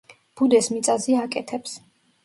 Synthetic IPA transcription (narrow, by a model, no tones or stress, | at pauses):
b̥ud̪ɛsmit̪sʼaziakʼɛt̪ʰɛps